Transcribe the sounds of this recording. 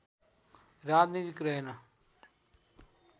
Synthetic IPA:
ɾaːd̪nĩːd͡ʒɪkɾenaː

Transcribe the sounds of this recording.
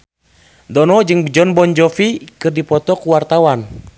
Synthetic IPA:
dɔnɔd͡ʒɨŋd͡ʒɔnbɔnd͡ʒɔfikɨrdipɔt̪ɔkuwart̪awan

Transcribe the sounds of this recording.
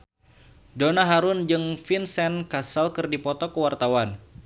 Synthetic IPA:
donaɦaɾʊnd͡ʒɨŋfinsɛnkasalkɨrdipɔt̪ɔkəwart̪awan

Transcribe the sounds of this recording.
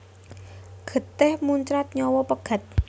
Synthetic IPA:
ɡ̥ə̤t̪ɪhmuɲt͡ʃɾat̪̚ɲɔwɔpəɡ̥a̤t̪̚

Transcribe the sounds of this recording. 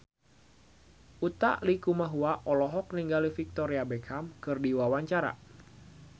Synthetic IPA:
ʔut̪a̰ʔlikumaɦuaʔɔlɔɦɔk̚niŋɡalifik̚t̪ɔɾiabɛkʰamkɨrdiwawaɲt͡ʃaɾa̰

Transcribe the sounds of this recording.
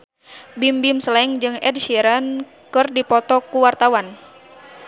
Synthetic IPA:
bimbimslɛŋd͡ʒɨŋɛd̚ʃiɾan | kɨrdipɔt̪ɔkuwart̪awan

